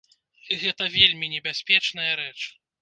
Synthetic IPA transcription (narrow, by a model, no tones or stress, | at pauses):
ɣɛt̪ɐvʲelʲmʲinʲɛbʲasʲpʲɛt͡ʂnɐjɐɾɛt͡ʂ